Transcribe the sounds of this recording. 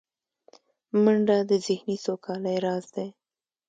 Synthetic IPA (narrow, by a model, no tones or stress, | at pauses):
məɳɖad̪əzɪhnisokʰɑlajɾɑzd̪e